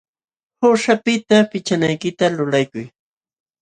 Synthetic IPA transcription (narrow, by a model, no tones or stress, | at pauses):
hʊʃapɪt̪apɪt͡ʃanajkɪt̪alʊlajkʊj